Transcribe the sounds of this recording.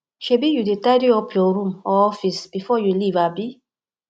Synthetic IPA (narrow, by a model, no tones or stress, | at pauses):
ʃebijudetadiɔpʰjɔɾũmɔɔfisb̥ifɔjulivabi